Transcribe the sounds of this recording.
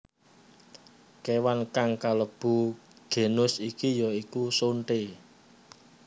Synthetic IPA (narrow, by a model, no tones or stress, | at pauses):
kewankaŋkaləb̥ṳ | ɡ̥e̤nʊsikijɔikusoɳʈe